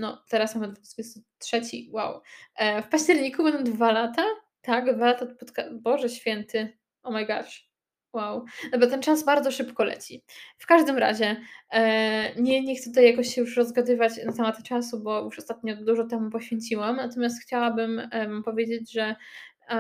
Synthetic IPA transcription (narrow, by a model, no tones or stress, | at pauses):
nɔ̰t̪ɛɾasmamɘd̪vuzvʲɛst̪ut̪ʂɛt͡ɕḭwa̰wfpaɕt͡ɕɛɾɲikubɛnd̪ɔ̃d̪valat̪a | t̪aɡd̪valat̪at̪pɔt̪kabɔʐɛɕfʲjɛnt̪ɘ | ɔmajɡa̰ʂ | wawd̪ɔbɔt̪ɛnt͡ʂasbaɾd̪zɔʂɘpkɔlɛ̰t͡ɕifkaʐd̪ɘmɾa̰ʑɛ | ɲɛɲɛxk̪t̪sɛt̪ut̪ajakɔɕt͡ɕɕɛjuʂɾɔzɡad̪ɘvat͡ɕnat̪amat̪t͡ʂasubɔjuʂɔst̪at̪̚ɲɔd̪uʐɔt̪ɛmupɔɕfʲjeɲʲt͡ɕiwamnat̪ɔmʲjast̪xt͡ɕawabɘmvampɔvʲjed͡ʑed͡ʑʐɛ